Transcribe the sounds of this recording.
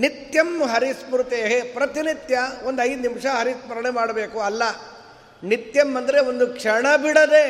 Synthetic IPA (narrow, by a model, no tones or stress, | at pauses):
nit̪jɐmɦɐɾismɾut̪eːɦepɾɐt̪init̪jɐo̞nd̪ɐjd̪unimʂɐɦɐɾismɐɾɐɳemaːɽɐbeːkuɐlːɐ | nit̪jɐmːɐnd̪ɐɾeond̪ukʂɐɳɐbiɽɐd̪e